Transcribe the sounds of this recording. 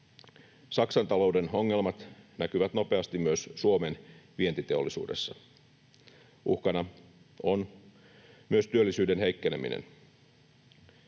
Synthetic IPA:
sɑksɑnt̪ɑlo̞wde̞no̞ŋːe̞lmɑt̪nækyʋæt̪no̞pe̞ɑst̪immyøssuome̞nʋie̞nt̪it̪e̞olːisṵːdesːɑ | ṵhkɑnɑ | on | myøst̪yølːisyːdenɦe̞jkːenemḭnḛn

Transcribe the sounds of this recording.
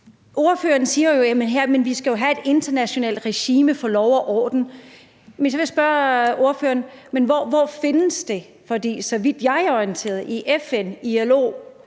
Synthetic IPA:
ʔo̝ɐføːɐn̩siːɐjo̝jæmenɦeɐ̰menʋisɡ̥æjo̝ɦæe̝d̥e̝nd̥ɐnæɕo̝nɛ̰ːld̥ʁeɕiːməfɒ̽lɒʊɐʔɒ̰ːd̥n̩ | mens̬ɒʋejasb̥ɶɐʔo̝ɐføːɐn̩menʋɒʋɒfe̝nəsd̥e̝ | fɒ̽d̥ḭːsɒ̽ʋid̥jɑ̈ɪæɐɒiənt͡sʰe̝̰ːɐðˠiʔefeniælo̝̰ː

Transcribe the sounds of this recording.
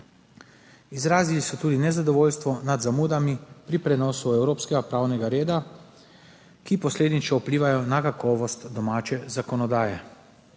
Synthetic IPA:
izɾaːzilisɔt̪uːd̪inɛzad̪ɔʋoːlst̪ʋɔnad̪zamuːd̪amipɾipɾɛnɔːsuɛwɾoːpskɛɡapɾaːwnɛɡaɾeːd̪a | kipɔsleːd̪nit͡ʃɔupliːʋajɔnakakɔːʋɔst̪d̪ɔmaːt͡ʃɛzakɔnɔd̪aːjɛ

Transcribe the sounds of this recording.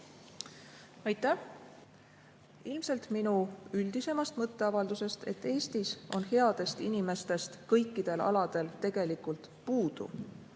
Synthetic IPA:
ɑjt̪ːˑæh | ilmse̞lt̪minuyld̪̥ise̞mɑst̪mɤt̪ːe̞ɑvɑld̪̥use̞st̪e̞̰t̪ːˑe̞ːst̪iso̞nhe̞ɑd̪̥e̞st̪inime̞st̪e̞st̪kɤjkːˑid̪̥e̞lɑ̰lɑd̪̥e̞lt̪e̞ɡ̥e̞likˑult̪ | puːd̪̥ṵ

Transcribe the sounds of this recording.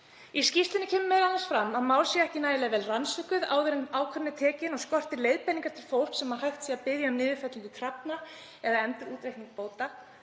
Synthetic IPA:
iscift̪ɪnɪcʰɛːmʏmɛðanasfɾamːaðmaːwlsiɛhcɪnaːjɪlajvɛːlransvʏkʏða̰ːwðɪɾʏnaːwkʰvœɾnːɪt̪ʰɛːcɪnɔskɔr̥t̪ɪɾlejðpɛniŋkaɾ̥t̪ʰɪlfowr̥psɛmhḁhajxt̪siːapɪðjamnɪːvɪɾfɛt̪liŋkʏt̪ʰɾapna | ɛðaɛmt̪ɪɾuːt̪ɾejhtniŋk̚poːwt̪a

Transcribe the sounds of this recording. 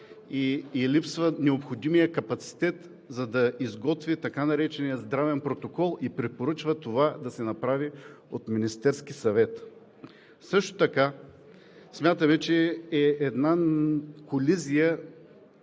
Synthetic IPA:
iːlipsvənɛopxod̪imijəkɐpɐt̪si̥t̪ɛt̪ | zɐd̪ɐizɡɔt̪vit̪ɐkanɐɾɛt͡ʃɛnijəzd̪ɾavɛnpɾot̪okɔlˠipɾɛpoɾɤt͡ʃvət̪ovad̪ɐsɛnɐpɾavi | ot̪minist̪ɛɾsk̟isɐvɛt̪ | sɤʃt̪o̥t̪ɐka | smʲjat̪əmɛt͡ʃɛɛːd̪nakolizijə

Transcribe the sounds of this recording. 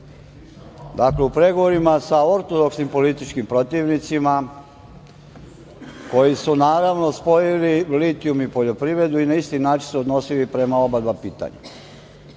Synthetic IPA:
d̪akleupɾe̞ɡo̞ʋo̞ɾimasao̞ɾt̪o̞d̪o̞ksnimpo̞list̪it͡ʃkimpɾo̞t̪iʋnit̪sima | ko̞jisunaːɾaʋno̞spo̞jiliʋlit̪ijumipo̞ʎo̞pɾiʋɾe̞d̪uinaist̪inaːt͡ʃinseod̪no̞silipɾe̞mao̞balbapiːt̪a̰ɲa̰

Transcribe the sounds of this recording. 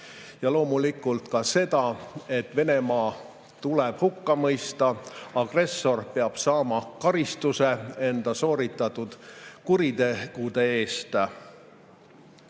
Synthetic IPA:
jɑlo̞ːmulikˑult̪kɑse̞d̪̥ɑe̞t̪ːˑve̞ne̞mɑː | t̪uleb̥hukːɑmɤjst̪ɑɑɡ̥re̞sːo̞rpeɑb̥sɑːmɑkɑɾist̪use̞e̞nd̪̥ɑso̞ːɾit̪ːˑɑt̪ːud̪̥kuɾid̪e̞ɡ̥ud̪̥e̞e̞ːst̪

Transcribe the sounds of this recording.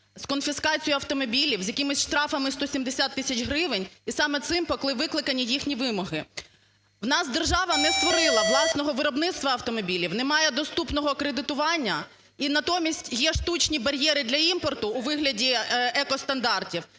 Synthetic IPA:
skɔnfʲiskɑt͡sʲijʊɐft̪ɔmɔbʲilʲiwzʲjɐkɪmɪsʲʃt̪ɾɑfɐmɪst̪ɔsʲimd̪esʲat̪ːɪsʲɐt͡ʃɦɾɪʋɪnʲisɑmɛt̪sɪmpɔklˠɪʋɪklˠɪkɐnʲːijixnʲiʋɪmɔɦɪ | wnɑsd̪erʒɑʋɐnɛst̪ʋɔɾɪlˠɐʋlˠɑsnɔɦɔʋɪɾɔbnɪt̪st̪ʋɐɐwt̪ɔmɔbʲilʲiwnɛmɑjɛd̪ɔst̪upnɔɦɔkɾed̪ɪt̪ʊʋɑnʲːɐ | inɐt̪ɔmʲisʲtʲjɛʃt̪ut͡ʃnʲibɐɾʲjɛɾɪd̪lʲɐimpɔrt̪ʊːʋɪɦlʲɐdʲiɛkɔst̪ɐnd̪ɑrtʲiw

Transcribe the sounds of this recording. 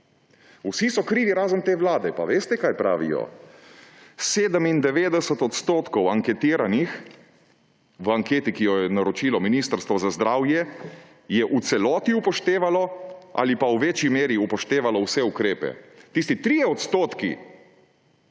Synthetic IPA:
usisɔkɾiːʋiɾaːzənt̪eːʋlaːd̪ɛpaʋeːst̪ɛkaːjpɾa̰ːʋḭjɔ̰ | seːd̪əmind̪ɛʋeːd̪ɛsət̪ɔt̪st̪oːt̪kɔwaŋkɛt̪iːɾanix | ʋaŋkeːt̪ikijɔjɛnaɾɔt͡ʃiːlɔminiːst̪əɾst̪ʋɔzazd̪ɾaːwjɛ | jɛʔut̪sɛlɔːt̪iupɔʃt̪eːʋalɔʔa̰lipawʋeːt͡ʃimeːɾiupɔʃt̪eːʋalɔwsɛukɾeːpɛ̰t̪iːs̬t̪it̪ɾiːjɛɔt̪st̪oːt̪kḭ

